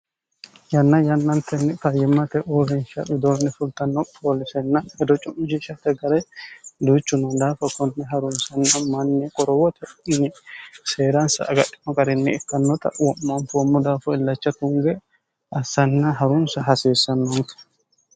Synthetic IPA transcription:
jɐnːɐjɐnːɐnt̪ɛnːɛfɐjːɪmːɐt̪ɛʔʊɾɪnʃɐbɪd̪onːɛfʊlt̪ɐnːɔpʰʼoːlɪsɛnːɐhɛd̪ɔt͡ʃʼʊmɪd͡ʒɪʃɐt̪ːɛɡɐɾɛd̪uːt͡ʃːʊnɐd̪aːfɐkɔnːɛɦɐɾʊnsɐnːɐmɐnːɛkʼɔɾɔwɔt̪ʰɛɪnɛseːɾɐnsɐ̰ːɡɐɗːɪ̥mɐkʼɐɾɪnːɛɛkːɐnːɔt̪ɐ̰ʔwɔmːɐnfɔmːɔd̪aːfɔɪlːɐt͡ʃːɐt̪ʊŋɡɛ | ɐsːɐnːɐɦɐɾʊnsɐɦɐseːsːɐnːɔnt̪ɐ̥

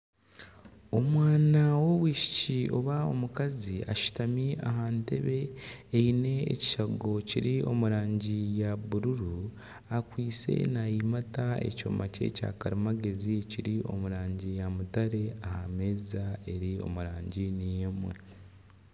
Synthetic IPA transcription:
o̞mwaːnawo̞βwiːʃi̥cio̞̰βao̞̰mukazia̰ʃu̥tamia̰ɦaːnte̞̰βe̞ːine̞̰ːci̥ʃaɡo̞ciɾio̞̰muɾaːɲɟijaβuɾuɾuu | akwiːt͡se̞̰najimatae̞̰co̞̰ːmace̞̰ca̰ːkaɾimaɡe̞ziciɾiʔo̞̰muɾaːɲɟijamutaɾe̞ahamezae̞ɾio̞̰muɾaːɲɟinijemwe̞̰

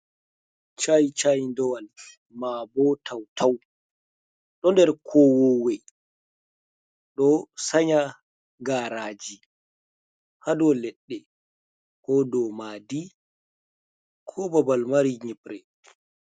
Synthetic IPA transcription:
t͡ʃajt͡ʃajndɔwal | mabɔtʰawtʰaw | ɗɔndɛɾkʰɔwɔwɛ | ɗɔsaɲa | ɡaːɾaːd͡ʒi | hadɔlɛɗːɛ | kɔdɔmaːdi | kʰɔbabalmaɾiɲipɾɛ

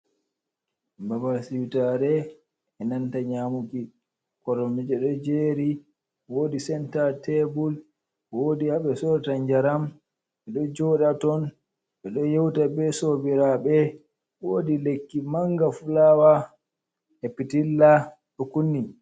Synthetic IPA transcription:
babasiwitaɾɛ | ɛnantaɲamuki | kɔɾɔmid͡ʒɛɗɔd͡ʒeːɾi | woːdisɛntatʰɛbul | wodihaɓɛsɔɾtaɲd͡ʒaɾam | ɓɛɗɔd͡ʒɔɗatɔn | ɓɛɗɔjɛwtabɛsobiɾaɓɛ | wodilekːimaŋɡafulawa | ɛpitilːa | ɗɔkunːi

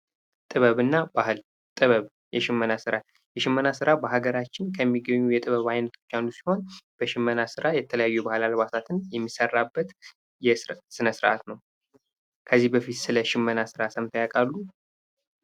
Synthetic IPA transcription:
t̪ʼɨβəβɨnːabahɨl | t̪ʼɨβəβ | jɛʃɪmːənasɨɾa | jɛʃɪmːənasɨɾabəɦaɡəɾat͡ʃːɪnkʰəmːiɡəɲːujɛt̪ʼɨβəβajnət̪ʰo̞̥t͡ʃːanːusi̥ho̞nb̥əʃɪmːənasɨɾajɛt̪ʰələjajːubahɨlalβat̪ʰat̪ʰɨnjɛmːisərːabːət̪ | jɛsɨnəsɨɾʔa̰t̪nəw | kʰəzːihbəfit̪sɨləʃɪmːənasɨɾasəmt̪ʰəjakʼalːu

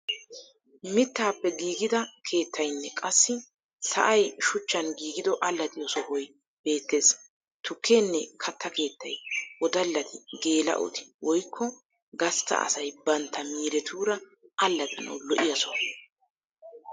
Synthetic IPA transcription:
mɪt̪ːaːpːɛɡiːɡɪd̪ɐkʰe̞ːt̪ʰːɐjnːɛkʼɐsːɪ | sɐ̰ʔɐjʃʊt͡ʃːɐnɡiːɡɪd̪ɔʔɐlːɐt̪ʼɪjɔsɔhɔj | b̥e̞ːt̪ːe̞ːs | t̪ʊkʰːeːnːɛkʰɐt̪ʰːɐke̞ːt̪ːɐjɔd̪ɐlːɐt̪ʰɪɡe̞ːlɐ̰ʔɔ̰t̪ɪ̥wɔjkʰːɔ | ɡɐst̪ːɐ̰ɐ̰sɐjbɐnt̪ʰːɐmiːɾɛt̪ʰuːɾɐ | ɐlːɐt̪ʼɐnɐ̰wlɔʔɪjɐsɔh

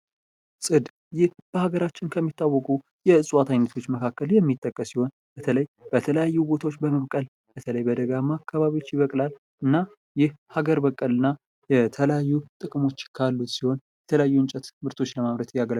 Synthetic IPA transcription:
sʼɨd̪ | jɪhb̥əhaɡəɾat͡ʃːɪnkʰəmːit̪ːawːɔkʼu | jɛɨsʼwat̪ʰajnːət̪ʰo̞t͡ʃːməkʰakːəljɛmːit̪ʼːəkʼːəsiho̞n | b̥ət̪ʰələjb̥ət̪ʰələjajːubo̞t̪ʰawot͡ʃːbəməβkʼəl | b̥ət̪ʰələjbəd̪əɡamakʰːaβaβiot͡ʃːjɪβəkʼlal | ɨnːa | jɪhhaɡəɾbəkʼːəlɨnːa | jɛt̪ʰələjajːut̪ʼɨkʼɨmo̞t͡ʃːkʰalːut̪siho̞njɛt̪ʰələjajːuɨnt͡ʃʼɛt̪mɨɾt̪ʰo̞t͡ʃːləmaβɾət̪jaɡəl

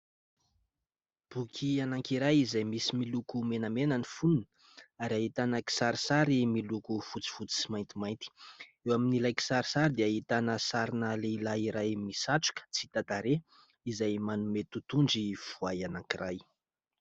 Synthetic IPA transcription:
b̥ukʰianaŋkiɾajizajmisimilukumenəmenənifununə | aɾaɦit̪anəki̥saɾisaɾimilukufut͡si̥fut͡si̥simajnt̪imajnt̪i̥ewaminilajki̥saɾisaɾid̪eaɦit̪anəsaɾinəleilaiɾajmisaʈ͡ʂu̥kə̥t͡si̥t̪at̪aɾe | izajmanumet̪ut̪unɖ͡ʐiv̥uajanaŋkiraj

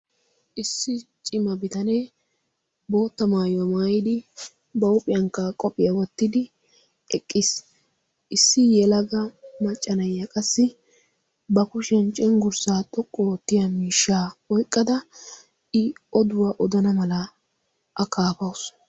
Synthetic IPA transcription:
ʔɪsːɪt͡ʃʼɪmɐbɪt̪ɐne | bo̞ːt̪ːɐmaːjwɐmaːjɪd̪ɪ | bɐʊpʼɪjɐŋkːɐkʼɔpʼɪjɐwɔt̪ːɪd̪ɪ | ɛkʼːɪs | ʔɪsːɪjɛlɐɡɐmɐt͡ʃʼːɐnɐjːɐkʼɐsːɪ | bɐkʊʃɛnt͡ʃʼɛŋɡʊɾsaːt̪ʼɔkʼːot̪ːɪjamiːʃːaːɔjkʼːɐd̪ɐ | ɪɔd̪ʊwaʔɔd̪ɐnɐmɐlɐ | ʔɐkaːpɐwʊs

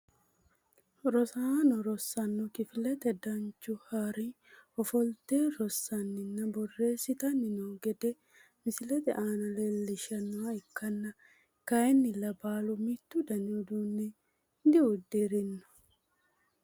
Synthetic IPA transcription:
ɾɔsaːnɔɾɔsːɐnːɔkɪfɪlɛt̪ɛd̪ɐnt͡ʃːʊhaɾɪ | ɔfɔlt̪eːɾɔsːɐnːɪnːɐbɔrːe̞ːsɪt̪ɐnːɪnoːɡɛd̪ɛ | mɪsɪlɛt̪ɛʔaːnɐleːlːɪʃɐnːʊwaɪkːɐnːɐ | kɐjɛnːɪlɐbaːlʊmɪt̪ːʊd̪ɐnɪʊd̪uːnːɛ | d̪ɪʊd̪eɾɪnːɔ̥

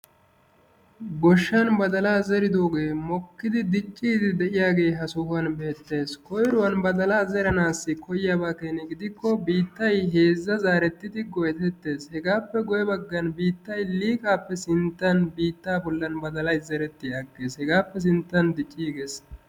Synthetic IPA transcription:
ɡɔʃːɐnbɐd̪ɐlaːzɛɾɪd̪o̞ːɡe̞ːmɔkːɪd̪ɪd̪ɪt͡ʃʼːiːd̪ɪd̪ɛʔɪjaːɡe̞ːɦɐsʊhɐnbe̞ːt̪ːe̞ːskɔjɾʊwɐnbɐd̪ɐlaːzɛɾɐnaːsːɪkʰɔjjaːbaːkeːnɛɡɪd̪ɪkːɔbiːt̪ːɐjɦe̞ːzːɐzaːɾɛt̪ːɪd̪ɪɡɔjɛt̪ɛt̪ːe̞ːshɛɡaːpːɛɡɔjɛbɐɡːɐnbiːt̪ːɐjliːkʼaːpːɛsɪnt̪ːɐnbiːt̪ːaːbʊlːɐnbɐd̪ɐlɐjzɛɾɛt̪ːɪjaːɡːe̞ːshɛɡaːpːɛs̬ɪnt̪ːɐnd̪ɪt͡ʃʼːiːɡe̞ːs

